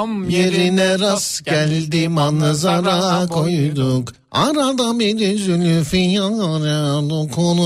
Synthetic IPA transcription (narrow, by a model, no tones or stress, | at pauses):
jeɾinɛɾasɡælʲd̪imanɯzaɾakʰojujd̪uk | a̰ɾad̪abid̪izylyfijaɾalokʰonu